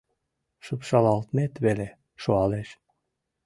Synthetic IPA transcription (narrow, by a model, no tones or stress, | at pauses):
ʃɤpʃɑlɑlt̪met̪βele | ʃuɑleʃ